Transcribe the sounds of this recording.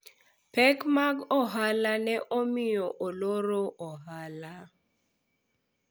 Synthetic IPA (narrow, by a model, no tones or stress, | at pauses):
pɛkmaɡɔɦalanɛʔomɪjoʔoloɾoʔɔɦala